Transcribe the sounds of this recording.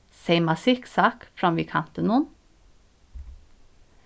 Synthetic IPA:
seɪmɑsɪksɑːkfɾɑmʋiːkʰɑnt̪ənʊn

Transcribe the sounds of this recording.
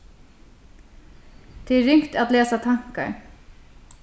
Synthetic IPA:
t̪ʰɛɛɹːɪŋ̥kt̪at̪leːsat̪ʰaŋ̥ka̰ɹ

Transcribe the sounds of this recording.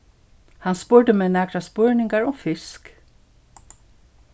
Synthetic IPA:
hɑnspœːɹɖəmeːnæːkɾaspœɹnɪŋɡɑɹɔːfɪsk

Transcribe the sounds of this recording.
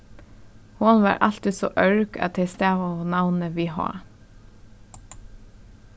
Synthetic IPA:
hʊnʋɑ̰ːɹʔɑlt̪iso̰ːʔœɹkɑ̰t̪ʰest̪æːʋonɑʋnəʋiːhɑ̰ː

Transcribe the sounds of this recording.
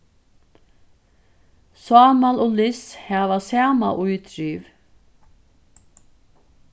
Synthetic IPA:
saːmalʊlɪshævasaːma̰ʔujt̪ɾiːv

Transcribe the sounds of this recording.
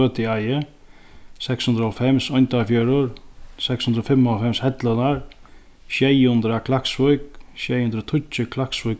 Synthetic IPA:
œːt̪ɪajə | sɛkshʉnd̪ɾəɔlfɛmsɔjnt̪afjœːɾʊɾsɛkshʉnd̪ɾɔfɪmːɔlfɛmshɛt̪lənaɾ | ʃjɛjhʊnd̪ɾakʰlaksʋʊkʃɛjhʊnd̪ɾət̪ʰʊt͡ʃəkʰlaksʋʊk

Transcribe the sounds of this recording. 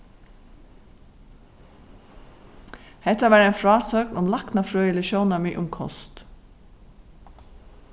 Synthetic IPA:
hɛt̪ːaʋæːɾajnfɹɑːsœknʊmlaknafɹøːjəlɪʃjɔwnamɪʔʊmkʰɔ̰st̪

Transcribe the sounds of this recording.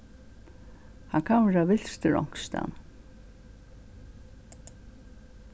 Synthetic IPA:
haŋkʰanʋɛɹaʋɪl̥st̪əɹɔ̰ŋ̥kst̪a̰n

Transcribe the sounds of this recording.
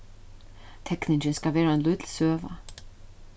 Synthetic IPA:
t̪ʰɛknint͡ʃɪnskalvɛːɾaɛnlʏːt̪lsœːva̰

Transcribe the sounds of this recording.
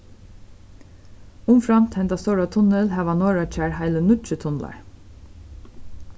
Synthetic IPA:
ʊmfɾamt̪hɛnt̪ast̪ɔwɹat̪ʰʊnəlɦæːʋanɔːɹat͡ʃæɹhaɪlənʊt͡ʃət̪ʰʊnla̰ɹ

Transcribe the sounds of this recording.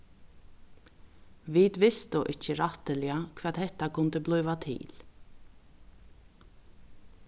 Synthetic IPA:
ʋid̪ʋɪst̪ʊʔɪht͡ʃːəɾaht̪ɪlɪakʰvʋɛːd̪hɛht̪akʰʊnt̪əblɔːʋat̪ʰḭːl̥

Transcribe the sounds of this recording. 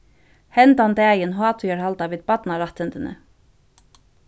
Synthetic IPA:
hɛnt̪ant̪ɛːjɪnɦɑːt̪ʰʏjaɹhalt̪aʋiːðpat̪naɾaht̪ɪnt̪ɪnʔɪ̰

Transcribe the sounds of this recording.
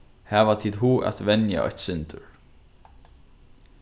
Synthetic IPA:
hɛːvat̪ʰiːd̪ɦuːʔa̰t̪vɛnja̰ʔɔ̰çt̪sɪnt̪ʏɹ

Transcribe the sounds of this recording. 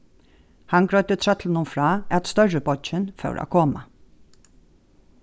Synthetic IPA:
hanɡɹœʏt̪ət̪ʰɾœt̪ʰlənʊmfɹɑːæt̪st̪œɹəbɔt͡ʃɪnfœ̰ʉɾʔa̰ːkʰoːma

